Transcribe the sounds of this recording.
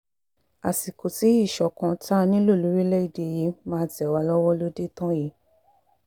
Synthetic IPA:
a˨si˨ko˨ti˨˦i˦˨ʃɔ˨˦kã˨˧ta˦nĩ˦lo˦˨lu˨˦ɾi˦lɛ˦i˦˨de˧˨je˨˦mãː˧˦˧tɛ˨wa˧˦lɔ˦wɔ˦lo˦de˦tã˦ji˨˦

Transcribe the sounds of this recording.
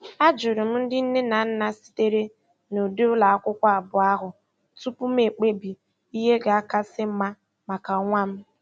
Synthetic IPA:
a˦d͡ʒʊ˨ɾɪ˨m̩˦n̩˦dɪ˦n̩˦ne˦na˨˦n̩˦na˦si̥˨te˦ɾe˦ | no˨de˦ʊ˦la˨a˦kʷʊ˦kʷa˦a˨bʊ˨a˦ɦʊ˨ | tu˦pʊ˦m̩˦e˨k͡pe˦bi˨ | i˦ɦe˦ɡa˨a˦ka˦sɪ˦m̩˦ma˦ | ma˨ka˨ŋʷa˦m̩˦

